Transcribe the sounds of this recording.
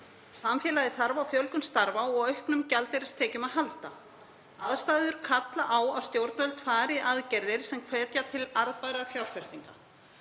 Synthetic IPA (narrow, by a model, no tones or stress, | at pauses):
samfjɛːlajðɪθaɾvawfjœlkʏmst̪aɾvaɔɣœɥhknʏmcalt̪ɪɾɪ̥st̪ʰɛːcʏmaðɦalt̪a | aðst̪aːjðʏɾ̥kʰat̪laʔaːwawst̪jowɾt̪nvœlt̪ʰfaːɾɪʔaðcɛɾðɪɾ̥sɛmkʰvɛːt̪jat̪ʰɪlaɾðpajɾafjawɾ̥fɛst̪iŋka